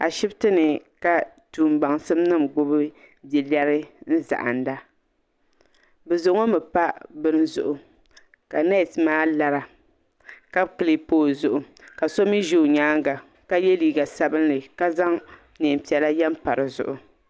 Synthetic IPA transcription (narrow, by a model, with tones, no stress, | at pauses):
a̰˨ʃɪ˦btɨ˦nɨ˨ka˨ | tuː˨mɡ͡ba˨ŋsɨ˦mnɨ˦mɡʊ˦bɨ˦ | di˨li˦ɛ˦ɾɨ˦n̩˦za̰˨ʔa̰˨n˦da˦ | bɛ˨zʊ˨ʔʊ˦ŋo˦mɨ˨pa˦bɨ˦n˦zʊ̰˨ʔʊ˨ | ka˨na˦˨tmaː˦la˨ɾa˨ | ka˦bkɨ˨li˨poː˦zʊ˨ʔʊ˨ | ka˨so˦mi˦ʒu˨ɲaː˦ŋɡa˨ | ka˨je˦liː˦ɡa˨sa˦bɨ˦nːɨ˨ka˦za˦ŋ | ne˨pi˨ɛ˨la˦jɛ˦m˦pa˨ɾɨ˨zʊ̰˨ʔʊ˨